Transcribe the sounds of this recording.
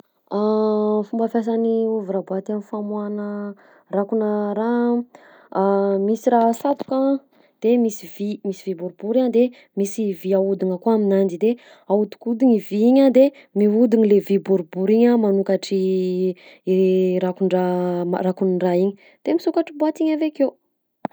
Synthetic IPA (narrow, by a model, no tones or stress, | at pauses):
afumbəfjas̬aniuvuɾabat̪anifamuanə | rakunəɾa | misirasap̪u̥ka | d̪̥emisivimisivibuɾubuɾand̪e | misiviaud̪iŋəkoaminand͡ʒid̪e | aud̪u̥kud̪iɲiviiɲad̪e | miud̪iɲilevibuɾubuɾiɲəmanukaʈ͡ʂi | ɾakuɳɖ͡ʐaarakunɳɖ͡ʐaiɲi̥ | d̪̥emisukaʈ͡ʂibuat̪iɲaveke